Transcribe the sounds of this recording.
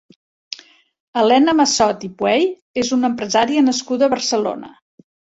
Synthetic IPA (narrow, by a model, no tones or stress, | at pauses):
əlɛnəməsɔt̪ipwɛj | ezunəmpɾəzaɾiənəskuðəːβərsəlo̰nə̰